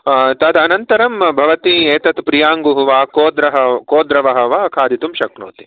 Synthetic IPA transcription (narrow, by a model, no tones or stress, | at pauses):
t̪ɐd̪ɐnɐnt̪ɐɾɐmbʱɐʋɐt̪ieːt̪ɐt̪pɾijaːŋɡuɦuʋaːkoːd̪ɾɐɦɐkoːd̪ɾɐʋɐɦɐ̆ʋɐɐkʰaːd̪ʱit̪umʃɐknṵːt̪i